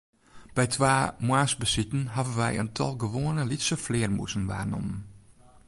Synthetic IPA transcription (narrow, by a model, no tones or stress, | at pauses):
b̥ɛjtʰʋaːmwaːsbəsitən̩ɦavənʋɛjə̰ntʰɔ̰lˠɡəʋoːənəlitsəflɪːrmṵsənʋa̰ːrnɔ̰mən